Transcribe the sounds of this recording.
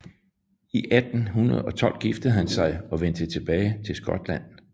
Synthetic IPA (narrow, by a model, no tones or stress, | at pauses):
iʔæd̥n̩ɦunɐðˠɒ̽t͡sʰɒ̽l̰d̥̚ɡ̥ifd̥əð̩ˠɦænsɑ̈ɪɒ̽ʋen̰d̥ət͡sʰe̝b̥ɛːɪt͡sʰe̝lsɡ̥ɒ̽d̥læn̰